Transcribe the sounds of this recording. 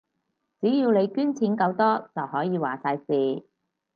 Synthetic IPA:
t͡siː˨˥jiː˧wle˨˧jkyː˥nt͡sʰiː˨˥nkɐ˧wt̪ɔː˥t͡sɐ˨whɔː˨˥jiː˨˧waː˨˩saː˧jsiː˨

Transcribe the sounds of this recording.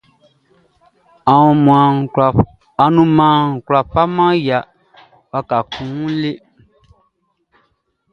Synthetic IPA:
a˨ũ˧m̃˨a˨ | a˨nũ˧mã˨˦˨kwla˨fa˦mã˦ja˨ | wa˧ka˨kʰũ˨˦le˦

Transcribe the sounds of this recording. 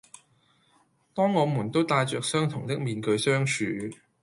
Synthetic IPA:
t̪ɔː˥ŋːɔː˨˧muː˨˩nt̪o˥wt̪aː˧jt͡ʃœː˨k̚sœː˥ŋt̪ʰʊ˨˩ŋt̪ɪ˥k̚miː˨˧nkɵ˧ɥsœː˥ŋt͡ʃʰyː˨˥

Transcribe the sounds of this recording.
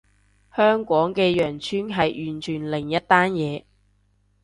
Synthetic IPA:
hœː˥ŋkʷɔː˨˥ŋkɛː˧jœː˨˩ŋt͡ʃʰyː˥nɦɐ˨jʔyː˨nt͡ʃʰyː˨˩nlɪ˨˩ŋjɐ˥t̚t̪ːaː˥njɛː˨˧

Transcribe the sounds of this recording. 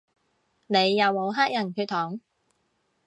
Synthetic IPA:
ne˨˧jːɐ˨˧wmo˨˧wɦaː˥k̚jɐ˨˩nkʰyː˧t̚t̪ʰɔː˨˥ŋ

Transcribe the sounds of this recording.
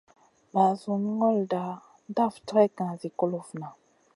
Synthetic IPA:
ba˨zu˨n˦ŋɔ˦lda˨ | n˦da˦˨ftɾɛ˦kã˨zi˨ko˦lo˨fna˨

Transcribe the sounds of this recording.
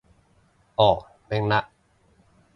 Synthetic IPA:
ʔɔː˨˩k̚ | mɛ˧˥˩ŋna˦˥ʔ

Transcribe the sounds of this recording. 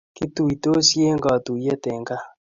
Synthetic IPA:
kɪ˦t̪u˨i˨to˦sje˦ŋɡɔ˨t̪u˨je˦tɛ˨ŋɡa˦

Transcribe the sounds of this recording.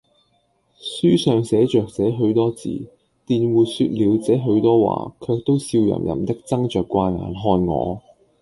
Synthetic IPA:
syː˥sœː˨ŋsɛː˨˥t͡ʃœː˨k̚t͡sɛː˨˥ɦɵ˨˥ɥt̪ɔː˥t͡sḭː˨˩ | t̪iː˨nwuː˨syː˧t̚liː˨˧wt͡sɛː˨˥ɦɵ˨˧˥ɥt̪ɔː˥wa̰ː˨˩kʰœː˧k̚t̪o˥wsiː˧wjɐ̰˨˩mjɐ̰˨˩mt̪ɪ˥k̚t͡sɐ˥ŋt͡ʃœː˨kʷːwaː˧na̰ː˨˩nɦɔː˧nŋɔ̰ː˨˧

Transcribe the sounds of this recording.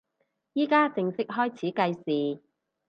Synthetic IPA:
jiː˥kaː˥t͡sɪ˧ŋsɪ˥k̚ɦɔː˥jt͡sʰiː˨˥kɐ˧jsiː˨˩

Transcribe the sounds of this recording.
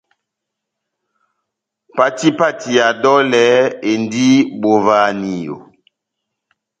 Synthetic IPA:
pa˦ti˦pa˦ti˨ja˨dɔ˦lɛ˨˦e˨ndi˦bo˨va˨ni˨jo̰˨

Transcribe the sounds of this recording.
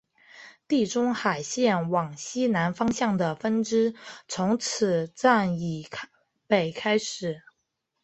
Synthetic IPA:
t̪i˥˩ʈ͡ʂʊ˥ŋxa˨˩ɪɕjɛ˥˩nwɑ˨˩ŋɕi˥na˧˥nfɑ˥ŋɕjɑ˥˩ŋd̪ə˩fə˥nʈ͡ʂɻ̩˥t͡sʰʊ˧˥ŋt͡sʰɹ̩˨˩ʈ͡ʂa˥˩ni˨˩ | pe˨˩ɪkʰa˥ɪʂɻ̩˨˩˦

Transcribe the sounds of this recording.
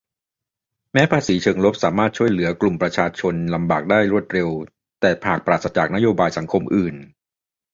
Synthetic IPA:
mɛː˦˥pʰaː˧siː˩˦t͡ɕʰɤː˧ŋlo˦˥p̚saː˩˦maː˥˩t̪̚t͡ɕʰu˥˩əjlɯ˩˦ɐklu˨˩mpɾa˧t͡ɕʰaː˧t͡ɕʰo˧nla˧mbaː˨˩k̚daː˥˩jɾu˥˩ət̪̚ɾe˧w | t̪ɛː˨˩pʰaː˨˩k̚pɾaː˨˩t̪sa˧˥t͡ɕaː˨˩k̚na˦˥joː˧baː˧jsa˩˦ŋkʰo˧mʔɯː˨˩n

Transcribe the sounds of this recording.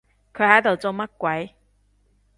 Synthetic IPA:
kʰɵ˨˥hɐ˨˥jt̪o˨wt͡so˧wmɐ˥t̚kwɐ˨˥j

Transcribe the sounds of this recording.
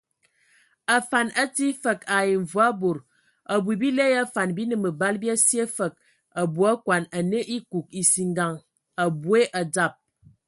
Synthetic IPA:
a˨fa˨na˦ti˦fə˨ka˨je˨ɱ̩˨vwa˦bo˨ɾ | a˨bu˨bi˦le˦ja˦fa˨nbi˦nə˨mə˨ba˦lbi˦a˦si˦e˦fə˨k̚ | a˨bu˨a˦kwa˨na˨nə˦ʔi˦ku˨k̚i˨si˨ŋɡa˨ŋ | a˨bu˦e˦ʔa˨d͡za˦˨p̚

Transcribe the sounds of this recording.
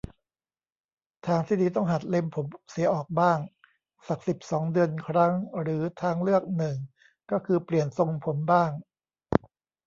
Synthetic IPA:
t̪ʰaː˧ŋt̪ʰiː˥˩d̪iː˧t̪̬ɔ˥˩ŋɦa˨˩t̪̚le˧mpʰo˩˦msi˩˦ɐʔɔː˨˩k̚baː˥˩ŋ | sa˨˩k̚si˨˩p̚sɔː˩˦ŋdɯ˧ənkʰɾa˦˥ŋɾɯː˩˦t̪ʰaː˧ŋlɯ˥˩ək̚nɯ˨˩ŋ | kɔː˥˩kʰɯː˧pli˨˩ənso˧ŋpʰo˩˦mbaː˥˩ŋ

